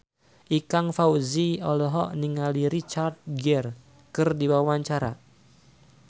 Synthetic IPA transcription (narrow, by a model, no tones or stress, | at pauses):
ʔikaŋfawziɔlɔɦɔʔniŋaliɾit͡ʃard̪̚ɡɛr | kɨrdiwawaɲt͡ʃaɾa̰